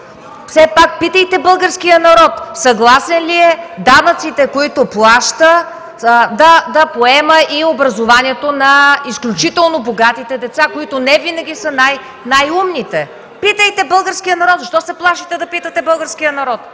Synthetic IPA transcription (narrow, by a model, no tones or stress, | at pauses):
fsɛpak̚pit̪əjt̪ɛbɤlˠɡəɾskijənɐɾɔt̪sɐɡlˠasɛnliɛd̪anət̪sit̪ɛkoit̪oplˠaʃt̪ə | d̪ɐd̪ɐpoɛməʔiobɾɐzovaniɛt̪onɐisklʲut͡ʃit̪ɛlˠnoboɡat̪it̪ɛd̪ɛt̪sakoit̪onɛvinɐɡʲisənaj | najumnit̪ɛ | pit̪əjt̪ɛbɤlˠɡəɾskijənɐɾɔt̪zʃt̪ɔsɛplˠaʃit̪ɛd̪ɐpit̪ət̪ɛbɤlˠɡəɾsk̟ijənɐɾɔt̪